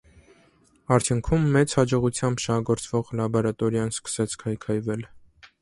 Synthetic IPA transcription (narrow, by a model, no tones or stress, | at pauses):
ɑɾt̪ʰjuŋkʰumːɛt͡shɑd͡ʒɔʁut͡sʰjɑmbʃɑhɑɡɔɾt͡svɔʁlɑbɔɾɑt̪ɔɾjɑnskə̥sɛt͡sʰkʰɑjkʰɑjvɛl